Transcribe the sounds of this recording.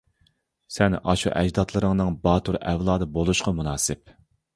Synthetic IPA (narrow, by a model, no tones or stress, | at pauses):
sɛnɑʃṵʔɛd͡ʒd̪ɑt̪ʰlˠɨɾɨŋnɨŋbɑːt̪ʰuɾɛvlˠɑːd̪ɨbolˠuʃqɑmunɑːsɪp̚